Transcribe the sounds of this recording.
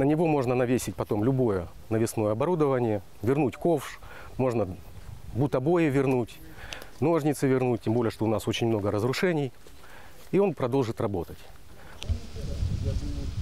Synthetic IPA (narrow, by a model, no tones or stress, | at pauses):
nənʲɪvo̞mo̞ʐnənɐvʲesʲɪt̚ʲpɐt̪o̞mlʲʊbo̞jə | nəvʲɪsno̞jəɐbɐɾud̪əvənʲɪjə | vʲɪrnutʲko̞fʂ | mo̞ʐnə | but̪ɐbo̞jɪvʲɪrnutʲ | no̞ʐnʲɪt̪sɨvʲɪrnut̚ʲtʲːembo̞lʲɪjəʂt̪oʊnaso̞t͡ɕɪnʲmno̞ɡəɾəzɾʊʂɛnʲɪj | io̞npɾɐd̪o̞lˠʐɨt̪rɐbo̞t̪ətʲ